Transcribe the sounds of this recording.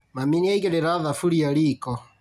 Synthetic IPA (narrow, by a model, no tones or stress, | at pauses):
maminiaiɣɛɾɛɾaðafuɾiɔɾikɔ